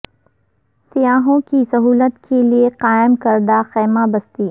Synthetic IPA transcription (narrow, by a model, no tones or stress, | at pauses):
sijaːɦõkisɐɦuːlət̪kʰelieqaːɪmkɐɾd̪axɛːmabɐst̪iː